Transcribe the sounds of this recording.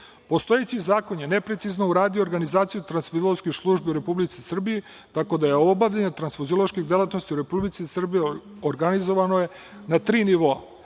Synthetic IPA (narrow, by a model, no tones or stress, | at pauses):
po̞st̪o̞jet͡ɕizaːko̞ɲenepɾet̪siznouɾaːd̪ijoɾɡanizaːt̪sijut̪ɾansfoziloskixslˠuʒbiuɾe̞publit̪sisr̩bije | t̪ako̞d̪ajeobaʋʎaɲet̪ɾansfoziolˠoʃkiɣd̪e̞lˠat̪nost̪iuɾe̞publit̪sisr̩bije | oɾɡanizo̞ʋanoje̞ | nat̪ɾiːniʋoa̰